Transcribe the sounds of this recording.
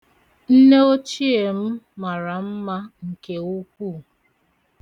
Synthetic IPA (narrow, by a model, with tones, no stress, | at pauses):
n̩˦ne˦o˦t͡ʃi˦e˨m̩˦ma˨ɾa˨m̩˦ma˦ŋ̩˨ke˨u˦kʷu˦˨